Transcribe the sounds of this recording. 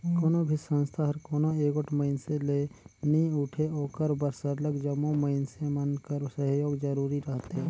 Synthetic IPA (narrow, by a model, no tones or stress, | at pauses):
koːnobʱisə̃nst̪ʰaɦəɾkoːnoeːkʊʈʰməɪnseleːnĩʊʈʰeoːkəɾbəɾsəɾləɡd͡ʒəmoməɪnsemənkəɾsəɦjoːɡd͡ʒəɾuːɾiɾəɦət̪ɦeː